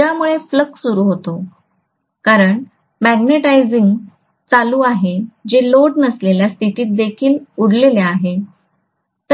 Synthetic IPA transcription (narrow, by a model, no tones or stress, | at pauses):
amuɭefləksuɾuːɦot̪o | kaɾəɳ | mæɡneʈajd͡ziŋɡ | t͡saluːaɦed͡ʑeloɖnəsleljast̪iʈiːt̪̚d̪ekʰiːluɽleleaɦe | t̪ə